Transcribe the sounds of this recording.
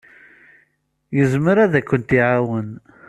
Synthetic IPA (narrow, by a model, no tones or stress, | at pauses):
jəzməɾæðækʷːənt̪iʕawən